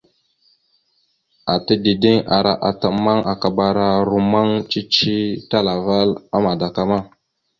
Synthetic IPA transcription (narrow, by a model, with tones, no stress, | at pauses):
a˨tə˦di˨di˦ŋa̰˨ɾa˨ʔa˨tə˨ma˦ŋa˨ka˨ba˨ɾa˨ɾu˨ma˦ŋt͡ʃi˦t͡ʃi˦ta˦la˨va˦la˦ma˨da˨ka˦ma˦